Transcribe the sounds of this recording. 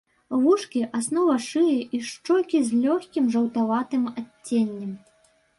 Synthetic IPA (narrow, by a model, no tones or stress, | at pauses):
vuʂkʲiʔasnɔvɐʂɨjɛʔiʂt͡ʂɔlʲkʲizʲlʲɔxʲkʲimʐɐwt̪avat̪ɨmatʲːenʲːɐm